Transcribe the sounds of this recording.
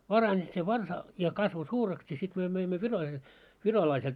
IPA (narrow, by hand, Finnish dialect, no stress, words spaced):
pɑrɑnʲi se ʋɑrsɑ jɑ kɑsʋo suːreks jɑ sit myø møimːø ʋirolɑi ʋirolɑisel